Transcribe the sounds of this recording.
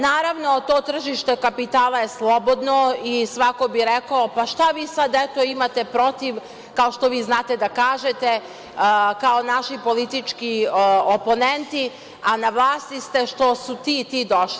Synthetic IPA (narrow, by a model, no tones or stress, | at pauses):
naːɾaʋno̞t̪oːt̪r̩ʒiʃt̪e̞kapit̪aːlˠaje̞slˠobo̞d̪noisʋako̞biɾekaopaʃt̪aʋiːsad̪et̪o̞imat̪e̞pɾo̞t̪iʋ | kaoʃt̪o̞ʋiːznaːt̪ed̪akaːʒet̪e̞ | kao̞naʃipo̞lit̪it͡ʃkiopo̞nent̪i | anaʋlˠaːst̪ist̪e̞ʃt̪o̞sut̪iːt̪iːd̪oʃli